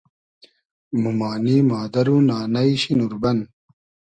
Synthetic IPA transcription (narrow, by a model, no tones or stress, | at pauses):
mumaːniːmaːd̪ɐɾuːnaːnɐiɕinuɾbɐn